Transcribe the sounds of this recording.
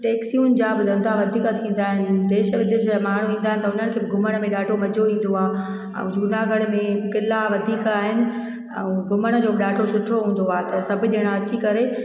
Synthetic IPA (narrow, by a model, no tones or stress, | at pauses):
ʈeːksiuːnd͡ʑabʊd̪ʱə̃nd̪aʋɐd̪ʱiːkat̪ʰĩːn̆d̪aːɦɪnɪ̆d̪eːʃəʋɪd̪ɪʃmaːɳ̤ũʋĩːn̆d̪aːɦɪnɪ̆t̪ɐʊn̤ənkʰeːbɪɡʱʊməɽ̃mẽɗaːʈʰomɐd͡ʑʱoʋĩːn̆d̪oaː | ɛ̰̃d͡ʑʱuːnaɡəɽmẽkɪlaʋɐd̪ʱiːkaːɦɪnɪ̆ | ɛ̰̃ɡʱʊməɽ̃ə̆d͡ʑoːbɪɗaːʈʰosʊʈʰoɦũːn̆d̪oaːt̪ɐsɐbʱid̪eːɽ̃aɐt͡ɕikɐɾe